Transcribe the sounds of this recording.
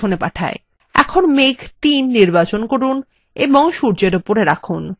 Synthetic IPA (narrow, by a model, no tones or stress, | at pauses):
onepaʈʰa̰e | ɛ̰kʰonmekʰt̪inːiɾbat͡ɕonkoɾun | eboŋʃuɾd͡ʑeɾopoɾeɾakʰun